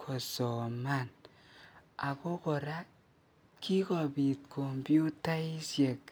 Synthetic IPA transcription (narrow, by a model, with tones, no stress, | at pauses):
kʰɔ˨sɔ˨ma˦n | a˨ko˦kɔ˨ɾa˦ | kʰi˦kɔ˨bi˨t̚kʰo˨mbju˦ta˦i˦sje˨k